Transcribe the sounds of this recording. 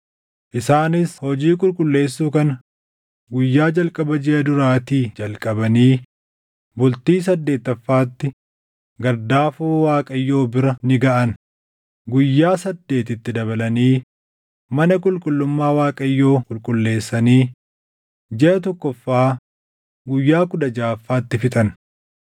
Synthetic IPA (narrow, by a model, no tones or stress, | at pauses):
ʔɪsaːnɪshɔd͡ʒiːkʼʊlkʼʊlːe̞ːsːuːkɐn | ɡʊjːaːd͡ʒɐlkʼɐbɐd͡ʒɛʔɐd̪ʊɾaːt̪iːd͡ʒɐlkʼɐbɐniː | bʊlt̪iːs̬ɐd̪ːe̞ːt̪ːɐfːaːt̪ːɪ | ɡɐɾd̪aːfuːwaːkʼɐjːo̞ːbɪɾɐnɪɡɐʔɐn | ɡʊjːaːsɐd̪ːe̞ːt̪ɪt̪ːɪd̪ɐβɐlɐniː | mɐnɐkʼʊlkʼʊlːʊmːaːwaːkʼɐjːo̞ːkʼʊlkʼʊlːe̞ːsːɐniː | d͡ʒɛʔɐt̪̬ɔkːɔfːaː | ɡʊjːaːkʊd̪ɐd͡ʒaːfːaːt̪ːɪfɪt̪ʼɐn